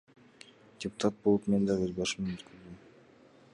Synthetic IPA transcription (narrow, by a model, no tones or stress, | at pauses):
d̥ʲɪpʊ̥t̪at̪̚bolˠupmend̪ɑʁøzbɑʃɯmenøt̪kʰyɾd̪ym